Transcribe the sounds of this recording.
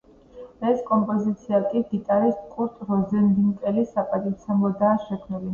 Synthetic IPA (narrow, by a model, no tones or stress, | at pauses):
ɛskʼɔmpʼɔzit̪sʰiakʼiɡit̪ʼaɾist̪̚ʼkʼuɾt̪ʼɾɔzɛnd̪iŋkʼɛlisapʼat̪ʼit̪sʰɛmlɔd̪aːʃɛkʰmnili